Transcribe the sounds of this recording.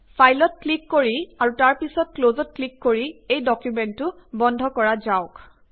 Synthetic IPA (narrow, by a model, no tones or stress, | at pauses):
pʰajlɔt̚klikːoɹiaɹutaɹpisɔt̚klozɔt̚klikːoɹiejdɔkjumɛntːʊ | bɔndʱɔkɔɹazaʊk